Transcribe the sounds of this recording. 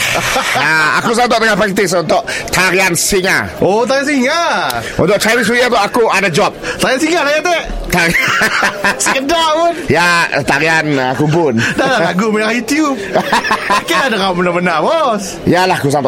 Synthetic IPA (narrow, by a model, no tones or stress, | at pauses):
aa̰kus̬ant̪̬ɔʔt̪əŋapɾɛk̚t̪ɪsunt̪ʊʔt̪aɾiansiŋaot̪aɾiansiŋaʔṵnt̪ʊʔt͡ʃajnɪs̬ujat̪ʔakuʔadad͡ʒɔp̚t̪aɾiansiŋalajat̪ɛʔt̪aɾi | səkədaʔpʊnjat̪aɾianakupʊndalaaɡuməajut̪jub | akiladakamənamənaʔbɔs | jalahakusant̪ɔʔ